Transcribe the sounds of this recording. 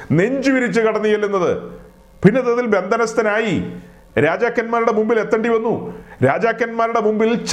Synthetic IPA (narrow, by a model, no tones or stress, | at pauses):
ne̞ɲd͡ʑiʋiɾit͡ɕːɨkɐɽɐnːijelːunːɐðɨ̰ | pinːɐðɐðilbe̞nd̪ʱɐnɐst̪ɐnaːji | ɾaːd͡ʑaːkːɐnmaːɾuɽe̞mumbile̞t̪ːɐɳɖiʋɐnːuɾaːd͡ʑaːkʲːɐnmaːɾuɽe̞mumbilt͡ɕ